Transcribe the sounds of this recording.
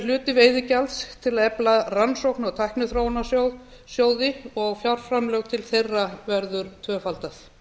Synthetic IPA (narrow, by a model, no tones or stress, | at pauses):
lʏːt̪ɪveːjðɪcalst̪ʰɪlaɛplaðransowhknɔɣt̪ʰajhknʏθɾoːwnaso | sjoːwðɪɔɣfjawɾ̥fɾamlœɣt̪ʰɪlθejrːavɛɾðʏɾ̥t̪ʰvœːfalt̪aθ